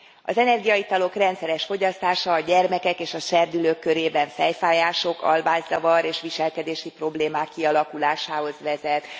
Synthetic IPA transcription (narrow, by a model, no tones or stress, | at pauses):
ɒ̰zɛnɛrɡijɒjit̪ɒlo̞krɛnt̪sɛɾɛʃfo̞ɟɒst̪aːʃɒːɟɛrmɛkɛkeːʃɒʃɛrd̪yløːkːøɾeːbɛɱfɛjfaːjaːʃo̞kʰɒ̰lbaːzzɒvɒɾeːʃʋiʃɛlkɛd̪eːʃipro̞bleːmaːkːiɒlɒkulaːʃaːɦo̞zʋɛzɛt̪